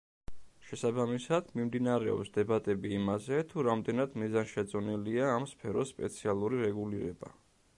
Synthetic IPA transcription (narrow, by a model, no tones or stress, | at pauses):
ʃɛsabamisad̪̥mimd̪inaɾɛɔ̰psd̪ɛbat̪ʼɛbiːmazɛt̪ʰuɾamd̪ɛnad̪mizanʃɛt̪sʼɔniliaːmspʰɛɾɔsːpʼɛt̪sʰialˠuɾiɾɛɡuliɾɛ̰ba̰